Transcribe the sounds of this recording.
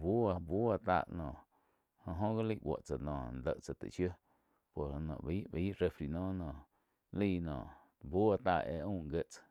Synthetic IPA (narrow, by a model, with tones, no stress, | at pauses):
bu˦a˧bu˦wa˧t̪a̰ː˧˨ʔnɔ̃ː˨ | hõ˧ɦõ˦ɡa˦li˦ʔwʷo̰˨ʔt͡sa˨nɔ̰̃ː˨nd̪ə˨ʔt͡sa˨t̪ḛ˨ʃjo˦ | po˨ɾhnɔ̰̃˨biː˦ʔbiː˦ʔɾe˧fɾi˨nɔ̃ː˦nɔ̃ː˨ | liː˦˧nɔ̰̃ː˨ | bu˦a˧t̪aː˧˨ʔḛ˧ʔũː˦˨ŋɡe˦ʔt͡sḁ˨